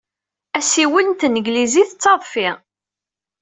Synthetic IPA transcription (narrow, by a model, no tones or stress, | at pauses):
æsiwənt̪nəɡliziθət͡sːɑðˤfi